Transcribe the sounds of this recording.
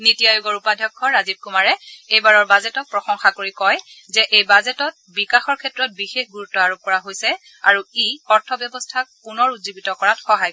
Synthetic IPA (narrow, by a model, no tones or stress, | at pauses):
nitijajuɡɔɹupadʱjɔkʰːɔɹazib̚kumaɹɛejbaɹɔɹbazɛtɔk̚pɹɔxɔŋxakoɹikɔj | zɛʔejbazɛtɔt̚bikaxɔɹkʰɛtɹɔt̚bixexɡuɹutːɔaɹob̚kɔɹaɦojsɛ | aɹuiɔɹtʰɔbjɔbɔstʰakpːunɔɹutzibitɔkɔɹatxɔɦaj